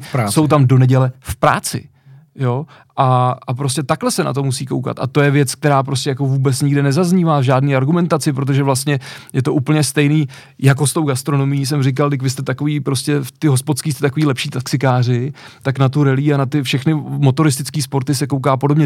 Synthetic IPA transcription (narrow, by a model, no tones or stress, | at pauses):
so̞wt̪amdo̞nɛɟɛlɛfpɾa̰ːt͡sɪ̰ | jo̞ | ʔaʔapɾoscɛt̪aklɛsɛna̰t̪o̞musiːko̞̰wka̰t̪a̰t̪o̞jɛvjɛt͡sk̚t̪ɛɾaːp̬ɾoscɛjako̞vuːbɛt͡sɲɪɡdɛnɛzazɲiːvaːvʒaːdniːaɾɡumɛnt̪at͡sɪpɾo̞t̪̬oʒɛvlast̪ɲɛjɛt̪o̞ʔuːpl̩ɲɛst̪ɛjniː | jak̬o̞st̪o̞wɡast̪ɾo̞no̞mɪjiːs̬ɛmrɪk̬aldɪk̬vɪst̪ɛt̪akoviːpɾo̞scɛft̪ɪɦo̞spot̪skiːst̪ɛt̪akoviːlɛpʃiːt̪aksɪkaːr̝ɪt̪aknat̪uɾɛliːanat̪ɪfʃɛxnɪmo̞t̪o̞ɾɪst̪ɪt͡skiːspo̞ɾt̪ɪsɛkowk̬aːpodobɲɛ